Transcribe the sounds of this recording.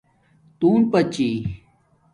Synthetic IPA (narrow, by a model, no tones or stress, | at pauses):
t̪uːnpɐt͡ɕi